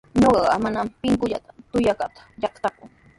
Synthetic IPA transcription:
ɲoɢɑɢɑmanampɪŋkʊʎat̪ḁt̪ʊjakat̪ḁʎɑχt̪akʊŋ

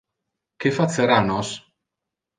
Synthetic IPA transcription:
kefat̪seɾanɔs

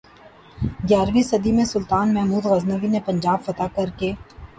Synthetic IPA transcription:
ɡjaːɾʋisɐd̪imẽsʊlt̪aːnmɛɦmuːd̪ɣɐznəʋinepɐ̃ɲd͡ʒaːbfɐt̪akɐɾkeː

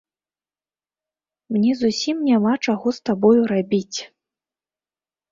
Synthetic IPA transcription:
mnʲɛzusʲimnʲamat͡ʂaɣɔst̪abɔjuɾabʲit͡sʲ

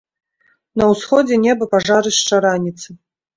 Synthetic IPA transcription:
nɐwsxɔd͡zʲɛnʲɛbɐpaʐaɾɨst͡ʂaɾanʲit̪sɨ

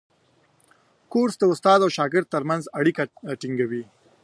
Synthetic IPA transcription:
koɾsd̪əʊst̪ɑd̪awʃɑɡɪɾd̪̚t̪əɾmanzaɽikaʈiŋɡawi

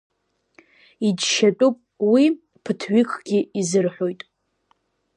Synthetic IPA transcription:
id͡ʒʃat͡pʷʼupʼ | wi | pʰɨtʰɥikʰʼɡ̥ʲiizɨrħʷᶣojtʼ

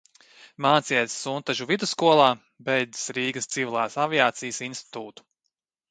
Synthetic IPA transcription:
maːt̪siɛt̪sːunt̪aʒuvid̪uskuɔlˠaː | bɛjd̪i̥sɾiːɡɐst̪sivʲilˠaːsavʲiaːt̪sijsinst̪i̥t̪uːt̪u̥

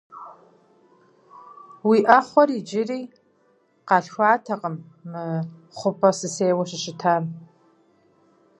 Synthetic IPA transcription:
wiːʔɐχʷɔrid͡ʒɪriː | qɑɬxʷɑːtʰɐqʼəmː | ɨ | χʷʊpʰʼɐsɨseːwɐɕɪɕɪtʰaːm

